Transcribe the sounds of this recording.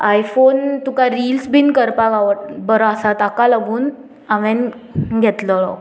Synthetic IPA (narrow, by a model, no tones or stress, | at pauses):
ajfont̪ukaɾilsbinkəɾpakaʋəʈ̚bəɾɔasat̪akaləɡuːn | aʋɛn | ɡʱɛt̪ləɭɔk